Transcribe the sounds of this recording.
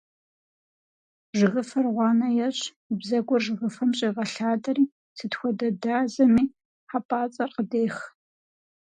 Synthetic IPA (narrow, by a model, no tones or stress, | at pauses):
ʒɨʁəfɐrʁʷɑːnɐjɛɕʼ | ibzɐɡʷɔrʒɨʁəfɐmɕʼɐʁɐɬaːdɐriː | sʰɨtxʷɔdɐdaːzɐmiː | ħapʼaːt͡sʼɐrqədeːx